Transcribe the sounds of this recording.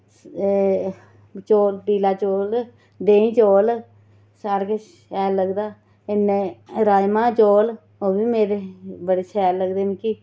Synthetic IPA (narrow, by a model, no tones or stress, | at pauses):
t͡ʃoːlpiːlaːt͡ʃoːl | d̪eːĩːt͡ʃoːl | saːɾkət͡ʃ | ɛːlːəɡd̪aː | ɪnːeːɾaːjmãːt͡ʃoːl | oːbiːmeːɾeːbəɽeːt͡ʃʰɛːlːəɡd̪eːnːki